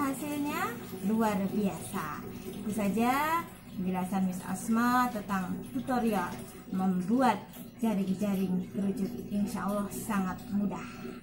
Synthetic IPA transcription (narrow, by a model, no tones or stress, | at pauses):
ɦasɪlɲa | luarbiasaut̪usad͡ʒa | kəd͡ʒəlasanwɪsa̰smat̪ənt̪aŋt̪ut̪oɾial | məmbuat̪̚d͡ʒaɾɪŋd͡ʒaɾɪŋt̪əɾud͡ʒut̪inʃaʔɔlːɔhsaŋat̪̚mudah